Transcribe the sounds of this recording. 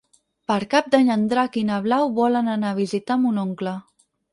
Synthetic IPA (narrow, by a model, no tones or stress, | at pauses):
pəɾkap̚d̪aɲənd̪ɾakinəβlawβɔlənanaβ̞izit̪amunoŋklə